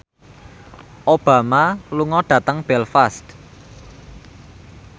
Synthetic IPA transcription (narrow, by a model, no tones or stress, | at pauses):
ʔob̥a̤maluŋɔɖ̥ä̤t̪əŋb̥ɛlfast̪